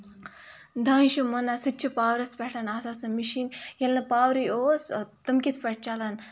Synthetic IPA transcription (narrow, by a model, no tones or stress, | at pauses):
d̪ãːʃumonasɨt͡ʃʰipaːwɾɐspɛʈʰɐnaːsasɐmiʃiːnjɐlnɐpaːwɾioːst̪ɐmkʲisʰpɐʈ̚t͡ʃalɐn